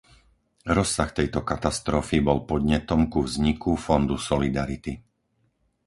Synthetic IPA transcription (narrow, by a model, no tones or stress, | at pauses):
ɾɔsːaxt̪ɛjt̪ɔkat̪ast̪ɾɔfibɔlpɔd̪ɲɛt̪ɔmkuvzɲikufɔnd̪usɔlid̪aɾit̪i